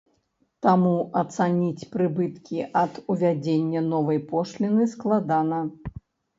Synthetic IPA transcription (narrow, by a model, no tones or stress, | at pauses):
t̪amuʔɐt̪sanʲit͡sʲpɾɨbɨt̪kʲiʔɐd̪uvʲad͡zʲenʲːɐnɔvɐjpɔʂlʲinɨsklˠad̪anɐ